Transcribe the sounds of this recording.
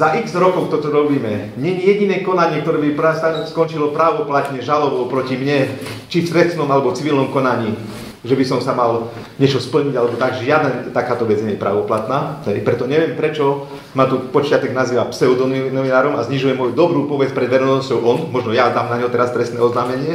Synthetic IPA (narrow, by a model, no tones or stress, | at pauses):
zaʔiɡzɾɔkɔʊt̪ɔt̪ɔɾɔbiːmɛ | ɲɛɲijɛɟinɛːkɔnaɲɪɛkt̪ɔɾɛːbipɾast̪askɔnt͡ʃilɔpɾaːʋɔplat̪ɲɛʒalɔbɔpɾɔcimɲɛ | t͡ʃift̪ɾɛst̪nɔmalɛbɔt͡siʋilnɔmkɔnaɲiː | ʒɛbisɔmsamal | ɲɛt͡ʃɔspl̩ɲiɟalɛbɔt̪aɡʒʒɪad̪nat̪akaːt̪ɔʋɛd͡zɲɛjɛpɾa̰ʋɔplat̪naːɦɛjpɾɛt̪ɔɲɛʋɪɛmpɾɛt͡ʃɔ | mat̪upɔt͡ʃɪat̪ɛɡnaziːʋapsɛɔd̪ɔnɔʋinaːɾɔma̰zɲiʒujɛmːɔjud̪ɔbɾuːpɔʋɛt͡spɾɛd̪ʋɛɾɛnɔscɔʊʔɔnmɔʒnɔjad̪aːmnaɲɦɔt̪ɛɾast̪ɾɛst̪nɛɔznaːmɛɲɪɛ